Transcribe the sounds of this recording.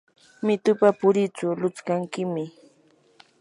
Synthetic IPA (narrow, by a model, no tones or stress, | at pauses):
mɪt̪ʊpapʊɾɪt͡ʃʊlʊt͡skaŋkɪmɪ